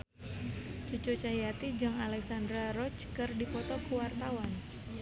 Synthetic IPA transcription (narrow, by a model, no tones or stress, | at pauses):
t͡ʃut͡ʃut͡ʃajat̪id͡ʒɨŋalɛksandɾaɾɔt͡ʃkɨrdipɔt̪ɔkuəwart̪awan